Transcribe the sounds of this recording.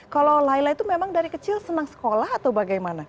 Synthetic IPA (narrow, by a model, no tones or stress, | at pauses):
kalolailait̪umemaŋdaɾikət͡ʃɪlsənaŋsə̥kolahat̪awbaɡajmana